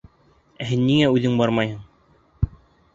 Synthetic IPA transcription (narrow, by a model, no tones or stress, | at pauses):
æɦɘnːiŋæʉðɘŋbɑɾmɑjhɤɴ